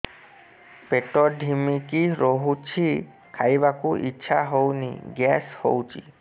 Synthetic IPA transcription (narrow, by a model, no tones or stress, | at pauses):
peʈɔɾɖʱimikiɾoɦut͡ʃʰi | kʰajbakuʔḭtːʃʰaɦownḭɡɛsho̰wt͡ʃʰḭ